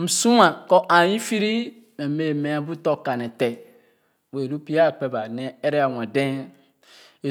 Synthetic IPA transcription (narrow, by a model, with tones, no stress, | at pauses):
m̩˨su˦a˨ko˦ʔa˨ji˦fi˦ɾi˦ | me˨me˨me˨˦a˦bu˦to˦ka˨ne˨te˨ | we˨ɾu˦pi˦a˦˨k͡pe˨ba˨ne˦e˦ɾe˦a˨wa˨de˦ | e˨